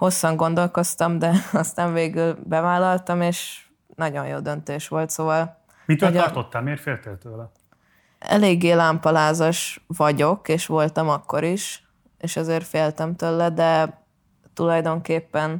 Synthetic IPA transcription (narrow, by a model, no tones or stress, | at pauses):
ho̞sːɒŋɡo̞nd̪o̞lko̞st̪ɒmd̪ɛɒst̪aːɱveːɡylbɛvaːlːɒlt̪ɒmeːʃ | nɒɟo̞̰jjo̰ːd̪ø̞nt̪eːʃʋo̞lt̪soːvɒl | mit̪øɒrt̪ot̪ːalmeːrfeːlt̪elt̪øːlɛ | ɛ̰leːɡːeːlaːmpɒlaːzɒʃʋɒɟo̞keːʃʋo̞lt̪ɒmɒkːo̞ɾiʃ | eːʃɒzeːrfeːlt̪ɛmt̪øːlːɛd̪ɛ | t̪ulɒjd̪o̞ŋkeːpːɛn